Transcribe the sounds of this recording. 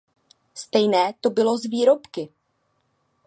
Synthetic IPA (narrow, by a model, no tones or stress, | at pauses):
st̪ɛjnɛːt̪o̞bɪlo̞zviːɾo̞pkɪ